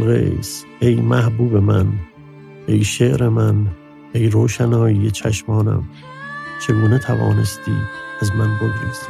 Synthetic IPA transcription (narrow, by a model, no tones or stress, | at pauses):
ɣḛs | ejmæhbuːbemæn | ʔejʃeʔɾemæn | ejɾoːʃænɒːjijet͡ʃʰæʃmɒːnæ̰m | t͡ʃʰe̞ɡuːnet̪ʰævɒ̰ːne̞st̪ḭːæzmænboɡɾis